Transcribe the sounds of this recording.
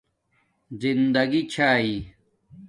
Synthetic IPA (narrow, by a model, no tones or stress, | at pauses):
zind̪ɐɡit͡ɕʰaːi